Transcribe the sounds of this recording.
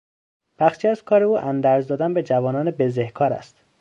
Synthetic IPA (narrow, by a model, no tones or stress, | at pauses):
b̥æxʃiæzkʰɒːɾeuːʔænd̪æɾzd̪ɒːd̪ænbe̞d͡ʒævɒːnɒːnebezehkʰɒːɾæ̰st̪